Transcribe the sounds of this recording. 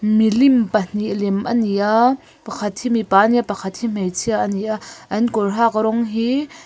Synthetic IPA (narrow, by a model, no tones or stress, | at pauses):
milimpan̥iʔlɛmʔɐniʔa | pɐkʰɐt̪̚himipaːniapɐkʰɐt̪̚him̥ejt͡sʰiaʔəniʔaʔɐnkɔrɦak̚ɾɔŋɦi